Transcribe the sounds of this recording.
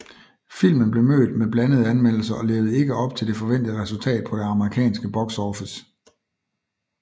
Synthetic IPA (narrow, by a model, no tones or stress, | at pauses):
fil̰mən̩b̥le̝mø̰ːd̥meb̥lænəð̞̩ˠænmen̰l̩sɐʔɒ̽le̝ːʊð̞̩ˠe̝ɡ̥əɒ̽b̥̚t͡sʰe̝ld̥e̝fɒ̽ʋen̰d̥ð̩ˠʁɛsult͡sʰɛ̰ːd̥̚pʰɒ̽d̥e̝ɑ̈məʁikʰɛ̰ːnsɡ̥əb̥ɒ̽ɡ̥sɒːfis